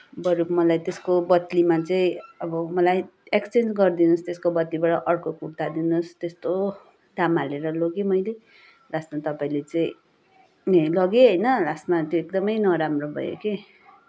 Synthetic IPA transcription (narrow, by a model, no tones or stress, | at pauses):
bʌɾupmʌlajt̪eskobʌt̪limat͡sʌĩʌbʌmʌlajekst͡send͡zɡʌrd̪inust̪eskobʌt̪libaɽʌʔʌrkokurt̪ad̪inust̪est̪o | d̪ʱamaleɾʌloɡemʌjle | lasmat̪ʌpaĩlet͡sʌĩ | lʌɡeɦʌjnʌlasmat̪joek̚d̪ʌmʌjnʌɾamrobʱʌ̰jo̰ke